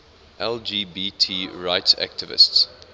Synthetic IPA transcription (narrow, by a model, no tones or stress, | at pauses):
ʔɛld͡ʒiːbitʰiːɹaɪtsæ̰k̚tʰɪvɪ̰sts